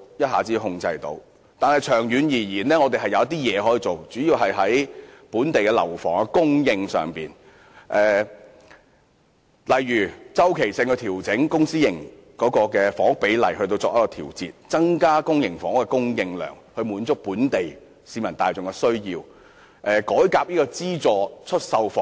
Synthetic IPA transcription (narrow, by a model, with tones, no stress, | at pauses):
jɐ˥t̚haː˨t͡siː˨˥ɦʊ˧ŋt͡sɐ˧jt̪o̰˧w | t̪aː˨nhɐ˨jt͡ʃʰœː˨˩ŋjyː˨˧njiː˨˩jiː˨˩nlɛː˥ŋɔ˨˧t̪e˨jɦɐ˨jɐ˧wɐ˥t̪̬iː˥jɛː˨˧hɔː˨˥ji˨˧t͡so˨wt͡syː˨˥jiː˧wɦɐ˨jɦɐ˨˥jpuː˨˥nt̪e˨jkɛ˧lɐ̰˨˩wfɔ̰ː˨˩ŋa˧kʊ˥ŋjɪ˧ŋsœ̰ː˨ŋpiː˨n | ʔɛː˨ | lɐ˨jjyː˨˩t͡sɐ˥wkʰe˨˩jsɪ˧ŋkɔː˧t̪ʰiː˨˩wt͡sɪ˨˥ŋkʊ˥ŋsiː˥jɪ˨˩ŋkɔː˨˥kɔː˧kɛː˧fɔː˨˥ŋʊ˥k̚pe˨˥jlɐ̰˨˩jhɵ˧t̪o˧wt͡sɔː˧k̚jɐ˥kɔː˧t̪ʰiː˨˩wt͡sḭː˧t̚t͡sɐ˥ŋkaː˥kʊ˥ŋjɪ˨˩ŋfɔː˨˥ŋ˥kɛ˧kʊ˥ŋjɪ˧ŋlœ̰ː˨˩ŋhɵ˧ɥmuː˨˥nt͡sʊ˥k̚puː˨˥nt̪e˨j | siː˨˧mɐ˨˩nt̪aː˨jt͡sʊ˨ŋkɛ˧sɵ˥ɥjiː˧w | ʔɛː˨kɔː˨˥jkaː˧p̚jiː˥kɔː˧t͡siː˥t͡sɔː˧t͡ʃʰɵ˥t̚sɐ˧wfɔː˨˥